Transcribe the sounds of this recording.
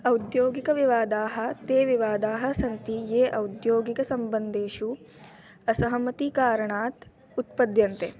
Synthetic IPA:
ɐwd̪joːɡikɐʋiʋaːd̪aːɦɐ̆t̪eːʋiʋaːd̪aːɦɐ̆sɐnt̪ijeːʔɐwd̪joːɡikɐsɐmbɐnd̪eːʃu | ɐsɐɦɐmɐt̪ikaːɾɐɳaːt̪ | ut̪̚pɐd̪jɐnt̪e

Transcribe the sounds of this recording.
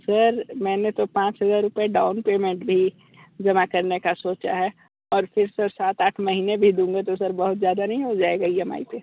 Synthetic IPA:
sɐɾmɛ̃ːnet̪opãːt͡ʃɦɐzaːɾːʊpeɖaːʊnpeːmẽɳʈbʱi | d͡ʒɐmakɐɾnekasoːt͡ʃa̰ɦɛː | ɔːɾfɪɾsɐɾsaːt̪aːʈʰmɐɦiːnebʱid̪ũːŋɡet̪osɐɾbɐɦʊt̪zjaːd̪anɐɦĩɦod͡ʒaːeɡɐiɦɐma̰ːit̪eː

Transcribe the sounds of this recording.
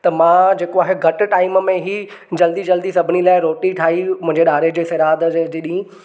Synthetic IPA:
t̪ɐmãːd͡ʑeːkoaːɦeɡʱɐʈʊ̆ʈaːɪmmẽɦi | d͡ʑɐld̪id͡ʑɐld̪isɐbʱɪnilaːɪɾoːʈiʈʰaːɦimʊ̃ɦɪ̃ɲd͡ʑeɗaːɾed͡ʑeːsɐɾaːd̪d͡ʑiɗĩĩ

